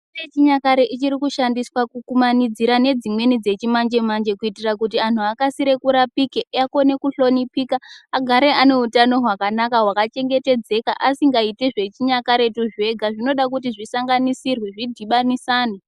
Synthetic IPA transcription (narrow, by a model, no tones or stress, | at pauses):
et͡ʃiɲakaɾeʔit͡ʃiɾikuʃandiswakukumanid͡ziɾane̞d͡zimwe̞nid͡ze̞t͡ʃimand͡ʒe̞mand͡ʒe̞kuitirakutian̤uakasiɾe̞kuɾapikeʔako̞ne̞kuɬo̞nipiːkaːɡʱaɾe̞ane̞utano̞ɦwakanakaɦwakat͡ʃe̞ŋɡe̞te̞d͡ze̞kaʔasiŋɡaiteʐe̞t͡ʃiɲakaɾe̞tuʐe̞ɡʱaʐino̞ɗakut̬iʐisaŋɡanisirwiʐidʱiɓanisaːni